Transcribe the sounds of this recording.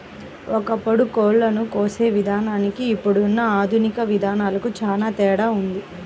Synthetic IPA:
ɔkɐpɐɽukoːɭlɐnukoːseːʋid̪ʱaːnaːnikiːpːuɽunːɐaːd̪ʱunikɐʋid̪ʱaːnaːlɐkut͡ʃaːlaːt̪ɛːɽaːund̪i

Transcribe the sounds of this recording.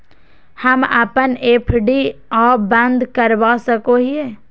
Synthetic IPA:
hɐma̰ːpəneːpʰɖiɔːbə̃nd̪kəɾʋasəkoɦiɛː

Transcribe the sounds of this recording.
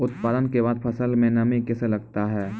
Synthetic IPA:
ʊt̪paːd̪ənkebaːd̪̚pʰɐsəlmẽnɐmĩkɛselɐɡt̪aɦɛː

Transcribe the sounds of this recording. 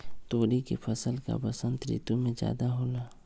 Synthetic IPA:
t̪oːɾikḭpʰəsəlka̰bəsə̃nt̪ɾḭːt̪umẽd͡ʒja̰ːd̪aɦoːlaː

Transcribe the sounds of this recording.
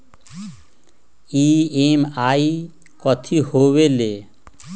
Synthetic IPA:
iːeːmaːi | kɔt̪ʰihoːweleː

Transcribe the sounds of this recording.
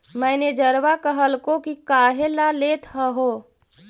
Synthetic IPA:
məɪned͡ʒəɾʋakəɦəlkokikaːɦelalet̪ʰɦəɦo

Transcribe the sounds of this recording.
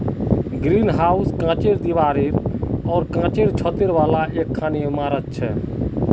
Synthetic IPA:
ɡɾiːnɦauskãːt͡ʃeɾd̪iʋaːɾeɾɔːɾkãːt͡ʃeɾt͡ʃʰət̪eɾʋalaekʰːaːnemaːɾət̪̚t͡ʃʰɛ

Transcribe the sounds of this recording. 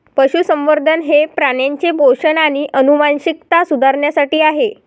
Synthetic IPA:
pəɕusəmʋəɾd̪ʱənɦepɾaɳjaɲt͡ɕebʱoʂənaɽ̃iʔənumanɕik̚t̪asud̪ʱaɾɳjasaʈiːaɦe

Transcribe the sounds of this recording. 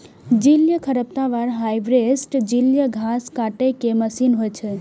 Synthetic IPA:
d͡ʒiljəkʰəɾəp̚t̪ãʋaɾɦajʋɾesʈd͡ʒiljəɡʱaskaʈekeməsinɦojt͡ʃʰe

